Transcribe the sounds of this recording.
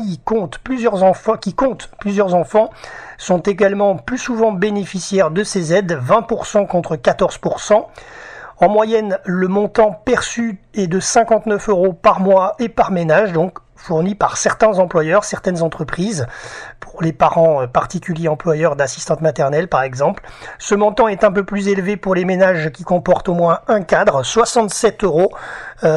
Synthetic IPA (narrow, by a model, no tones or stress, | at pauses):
ikɔ̃t̪plyzjœʁzɑ̃fɑ̃kʲikɔ̃t̪plyzjœʁzɑ̃fɑ̃sɔ̃t̪eɡalmɑ̃plysuvɑ̃benefisjɛʁd̪əsezɛd̪vɛ̃puʁsɑ̃kɔ̃t̪χəkat̪ɔʁz̥puʁsɑ̃ | ɑ̃mwajɛnləmɔ̃t̪ɑ̃pɛʁsyɛd̪əsɛ̃kɑ̃t̪nœføʁopaʁmwaepaʁmenaʒd̪ɔ̃k | fuʁnipaʁsɛʁt̪ɛ̃zɑ̃plwajœʁsɛʁt̪ɛnzɑ̃t̪χəpχizpʰuʁlepaʁɑ̃øpaʁt̪ikʲyljeɑ̃plwajœʁd̪asist̪ɑ̃t̪mat̪ɛʁnɛlpaʁɛɡzɑ̃plsəmɔ̃t̪ɑ̃ɛt̪ɛ̃pøplyzelvepuʁlemenaʒkʲikɔ̃pɔʁt̪omwɛ̃ɛ̃kad̪ʁswasɑ̃t̪sɛt̪øʁo